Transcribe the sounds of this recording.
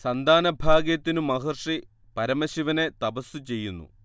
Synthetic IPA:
sɐnd̪ʱaːnɐbʱaːɡjɐt̪ːinumɐɦɐrʂi | pɐɾɐmɐɕiʋɐne̞t̪ɐbɐsut͡ɕe̞jːunːṵ

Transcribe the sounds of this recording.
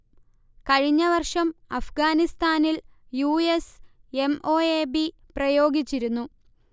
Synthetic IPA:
kɐɻiɲːɐʋɐrʂɐmɐfɡaːnist̪aːnil | juese̞mʔoːeːbi | prɐjo̞ːɡit͡ɕːiɾunːu

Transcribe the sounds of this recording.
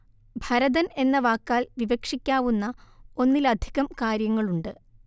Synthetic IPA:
bʱɐɾɐðɐne̞nːɐʋaːkːaːlʋiʋɐkʂikʲːaːʋunːɐo̞nːilɐd̪ʱiɣɐmkaːɾjɐŋːɐɭuɳɖɨ

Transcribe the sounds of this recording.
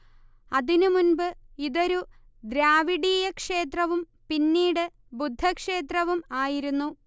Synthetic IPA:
ɐðinumunbɨiðoɾu | d̪ɾjaːʋiɽiːjɐkʂe̞ːt̪rɐʋum | pinːiːɽɨ | bud̪ʱːɐkʂe̞ːt̪rɐʋumaːjiɾunːu

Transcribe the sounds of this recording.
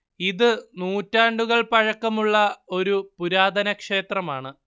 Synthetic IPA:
iðɨnuːtːaːɳɖuɣɐɭpɐɻɐkːɐmuɭːɐo̞ɾupuɾaːd̪ʱɐnɐkʂe̞ːt̪rɐmaːɳɨ

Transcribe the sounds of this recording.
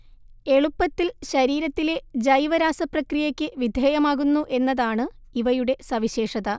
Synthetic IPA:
e̞ɭupːɐt̪ːilɕɐɾiːɾɐt̪ːile̞d͡ʑɐjʋɐɾaːsɐprɐkrijɐkʲːɨʋid̪ʱjeːjɐmaːɣunːuʔe̞nːɐðaːɳɨ | iʋɐjuɽe̞sɐʋiɕe̞ːʂɐðɐ

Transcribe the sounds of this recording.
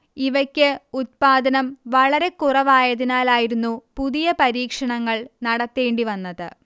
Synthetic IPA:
iʋɐkʲːɨut̪̚paːd̪ɐnɐmʋɐɭɐɾe̞kurɐʋaːjɐðinaːlaːjiɾunːupuðijɐpɐɾiːkʂɐɳɐŋːɐɭnɐɽɐt̪ːeːɳɖiʋɐnːɐðɨ

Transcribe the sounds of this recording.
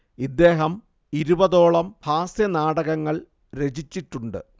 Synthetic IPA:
id̪ːe̞ːɦɐm | iɾubɐðo̞ːɭɐmbʱaːsjɐnaːɽɐɣɐŋːɐɭ | ɾe̞d͡ʑit͡ɕːiʈːuɳɖɨ̰

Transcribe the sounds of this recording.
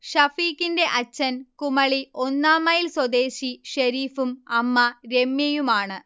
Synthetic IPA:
ɕɐfiːkːinde̞ʔɐt͡ɕːɐnkumɐɭio̞nːaːmɐjilswod̪e̞ːɕiɕɐɾiːfumɐmːɐɾe̞mjɐjumaːɳɨ

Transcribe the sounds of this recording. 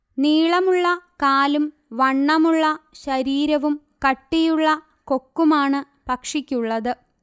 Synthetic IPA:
niːɭɐmuɭːɐkaːlum | ʋɐɳːɐmuɭːɐɕɐɾiːɾɐʋum | kɐʈːijuɭːɐ | ko̞kːumaːɳɨ | pɐkʂikʲːuɭːɐðɨ

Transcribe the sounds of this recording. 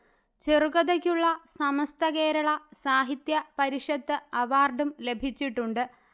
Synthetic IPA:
t͡ɕerukɐðɐkʲːuɭːɐsɐmɐst̪ʰɐke̞ːɾɐɭɐsaːɦit̪jɐpɐɾiʂɐt̪ːɨɐʋaːrɖumle̞bʱit͡ɕːiʈːuɳɖɨ

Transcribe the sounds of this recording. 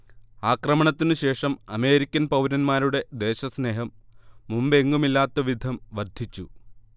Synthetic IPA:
aːkrɐmɐɳɐt̪ːinɨɕe̞ːʂɐmɐme̞ːɾikʲːɐnpɐwnɐnmaːɾuɽe̞d̪e̞ːɕɐsne̞ːɦɐmːumbe̞ŋɡumilːaːt̪ːɐʋid̪ʱɐmʋɐrd̪ʱit͡ɕːu

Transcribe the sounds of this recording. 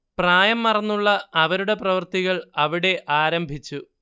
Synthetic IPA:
praːjɐmːɐrɐnːuɭːɐːʋɐɾuɽe̞prɐʋɐrt̪iɣɐɭɐʋiɽe̞ʔaːɾɐmbʱit͡ɕːu

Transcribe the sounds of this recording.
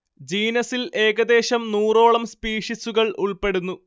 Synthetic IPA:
d͡ʑiːnɐsile̞ːɣɐd̪e̞ːɕɐmnuːro̞ːɭɐmspiːʂisuɣɐɭʔuɭpe̞ɽunːu

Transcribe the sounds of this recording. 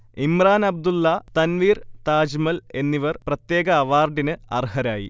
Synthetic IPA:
imraːnɐb̚d̪ulːɐt̪ɐnʋiːrt̪aːd͡ʑmɐle̞nːiʋɐrprɐt̪je̞ːɡɐːʋaːrɖinɨɐ̰rhɐɾaːjḭ

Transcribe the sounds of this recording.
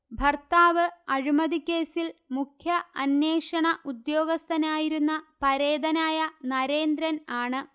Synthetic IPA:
bʱɐrt̪aːʋɨɐɻimɐðikʲːe̞ːsilmukʰjɐɐnːe̞ːʂɐɳɐʔud̪jo̞ːɡɐst̪ʰɐnaːjiɾunːɐpɐɾe̞ːd̪ɐnaːjɐnɐɾe̞ːnd̪ɾɐnaːɳɨ

